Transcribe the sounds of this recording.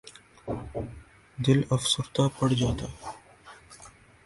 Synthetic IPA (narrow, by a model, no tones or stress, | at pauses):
d̪ɪləfsʊɾt̪apəɽd͡ʒat̪a